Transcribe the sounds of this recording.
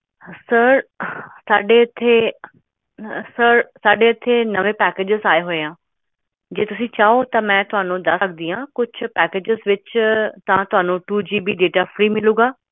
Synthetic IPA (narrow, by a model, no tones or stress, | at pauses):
sɐɾsaːɖet̪ʰe | səɾsaːɖeɪt̪ʰenɐʋẽpɛːkeːd͡ʑɪzaːeɦoeãː | d͡ʑeːt̪ʊsĩt͡ɕaːot̪ɐmɛ̃ːt̪ʊɦãːnõd̪ɐɡd̪iːãːkʊd͡ʑʱʰʊpɛːkeːd͡ʑɪzʋɪt͡ʃt̪ɐʋ̤ãt̪ʊɦãːnõʈuːd͡ʑiːbʱiɖeːʈafɾiːmɪlũːɡaː